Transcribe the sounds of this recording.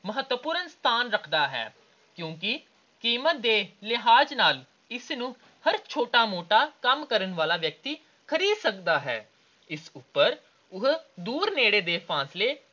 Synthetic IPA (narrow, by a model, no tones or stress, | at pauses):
məɦət̪ʋəpʊɾənst̪ʰaːnɾəkʰd̪aːɦɛ̰ː | kjõːkɪ | kiːmət̪̚d̪eːlɪɦaːd͡ʒnaːl | ɪsnũː | həɾt͡ʃʰoːʈaːmoːʈaːkəmkəɾənʋaːlaːʋjək̚t̪iː | kʰəɾiːd̪səkd̪aːɦɛ̰ː | ɪsʊpːəɾ | ʊɦd̪uːɾneːɽeːd̪eːpʰaːsɪleː